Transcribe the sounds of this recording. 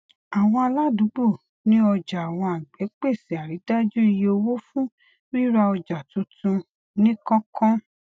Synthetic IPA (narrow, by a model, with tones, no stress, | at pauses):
a˨w̃ɔ̃˧a˧la˦du˨˦ɡ͡bo˦˨ | nĩ˦ɔ˧d͡ʒa˨a˨w̃ɔ̃˧a˨ɡ͡bɛ˨˦k͡pe˦˨si˨a˨ɾi˨˦da˦d͡ʒu˦˧jo˧wo˦fũ˦ | ɾi˦ɾa˧ɔ˧d͡ʒa˨tũ˨˧tũ˧ | nĩ˦kɔ̃˦kʰɔ̃˦